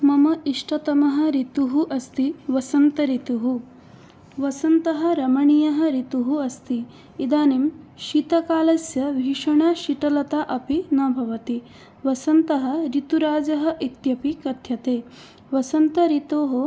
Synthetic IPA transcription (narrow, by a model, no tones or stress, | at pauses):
mɐmɐiʂʈʰɐt̪ɐmɐɦɐ̆ɾit̪uɦuʔɐst̪iʋɐsɐnt̪ɐɾit̪uɦu | ʋɐsɐnt̪ɐɦɐ̆ɾɐmɐɳijɐɦɐ̆ɾit̪uɦuɐst̪i | id̪aːnimʃiːt̪ɐkaːlɐsjɐʋʱiːʂɐɳaːʃiʈɐlɐt̪aʔɐpinɐbʱɐʋɐt̪i | ʋɐsɐnt̪ɐɦɐ̆ɾit̪uɾaːd͡ʒɐɦɐ̆ʔit̪jɐpikɐt̪ʰjɐt̪eː | ʋɐsɐnt̪ɐɾit̪oːɦɐ